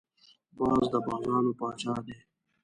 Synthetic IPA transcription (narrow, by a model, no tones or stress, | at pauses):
bɑːzd̪əbɑːzɑːnopɑːt͡ʃɑːd̪eː